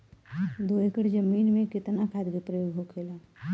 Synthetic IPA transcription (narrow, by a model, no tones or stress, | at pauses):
d̪oekəʈd͡ʒəmiːnmẽkɪt̪nakʰad̪kepɾəjoɡɦokʰela